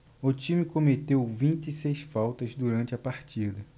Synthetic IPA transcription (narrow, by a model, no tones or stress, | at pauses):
ʊt͡ʃĩmɪkomet̪ewvĩnt͡ʃisejsfawt̪ɐzd̪uɾɐ̃t͡ʃɪɐpaɾt͡ʃid̪ɐ